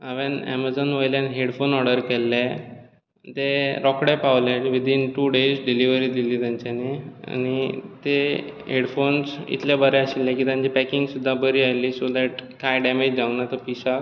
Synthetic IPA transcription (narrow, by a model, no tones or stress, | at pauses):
aʋenɛ̰mad͡zənʋəjljãnɦeɽfonɔɽəɾkɛlːɛ | t̪eɾɔkɽɛpaʋlɛʈʋid̪ʱinʈuːɖesɖiliʋəɾiːd̪iliːt̪jaɲt͡ɕanea̰ñit̪eɦeɽfonsḭt̪labəɾɛəɕilːɛ̃kiːt̪jãɲt͡ɕipɛkiŋɡsud̪ʱːabəɾiajliːsod̪ɛʈkajɖɛmed͡ʑd͡zaʋnat̪əpisa